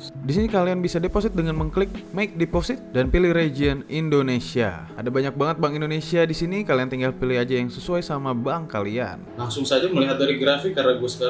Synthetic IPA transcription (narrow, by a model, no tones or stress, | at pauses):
disinikalianbisadeposit̪̚dəŋanməŋklɪk̚majk̚deposɪt̪̚danpilɪhred͡ʒiənindonesia̰ | adabaɲak̚baŋət̪̚baŋindonesiadisinikaliant̪iŋɡalpilɪhad͡ʒajaŋsəsuajsamabaŋkalia̰nlaŋsʊŋsad͡ʒaməliɦat̪̚daɾiɡɾafikːarnaɡuasə̥kaa